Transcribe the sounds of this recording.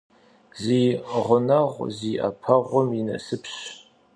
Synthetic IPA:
ziːʁʷʊnɐʁʷziːʔɐ̰pʰɐʁʷʊminɐ̰sɨpʰɕ

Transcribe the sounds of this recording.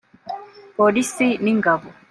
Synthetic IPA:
polisiniŋɡabu

